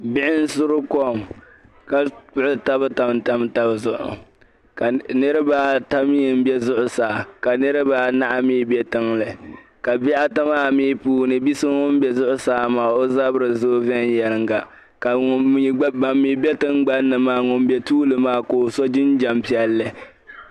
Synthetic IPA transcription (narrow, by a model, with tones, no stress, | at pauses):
bɪ˦ʔɪ˦n̩˦sʊ˦ɾʊ˦kɔ˦˨m | ka˨k͡pʊ˦ʊ˦ta˦bɨ˦ta˨mta˦mta˦bzʊ˨ʔʊ̰˨ | ka˨nɨ˦ɾɨ˦baː˦ta˦m˦jɪ˨m˦bɛ˦zʊ˦ʔʊ˨saː˨ka˨nɨ˦ɾɨ˦baː˦na˦ʔa˦miː˦bɛ˦tɨ˦ŋlɨ˨ | ka˨bɛ˦ʔa˦ta˦maː˦mi˦puː˦nɨ˨bi˦sɨ˦ŋʊ˦m˦bɛ˨zʊ˦ʔʊ˦saː˦maː˨o˦za˦bɨ˦ɾɨ˨zo˦vɛ˦n˦jɛ˨lɨ˦˨ŋɡa˨ | ka˨i˨˦ba˨mːi˨˦bɛ˦tɨ˦ŋɡ͡ba˦nːɨ˨maː˦ŋʊ˨m˦bɛ˨tuː˦lɨ˨maː˦ko˨sɔ˦d͡ʒɪ˦nd͡ʒa˨mpi˦ɛ˦lːɨ˨